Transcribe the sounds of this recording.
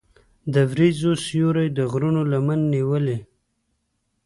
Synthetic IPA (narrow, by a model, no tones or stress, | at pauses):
d̪əvɾizosjoɾajd̪əɣɾunolamanːiwəle